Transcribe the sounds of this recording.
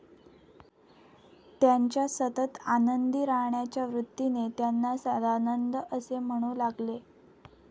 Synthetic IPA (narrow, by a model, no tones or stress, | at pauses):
t̪jaɲt͡ɕjasət̪ət̪anənd̪iːɾaɦɳjat͡ɕjaʋɾut̪ːinet̪janːasəd̪anənd̪əʔəsem̤əɽ̃uːlaɡle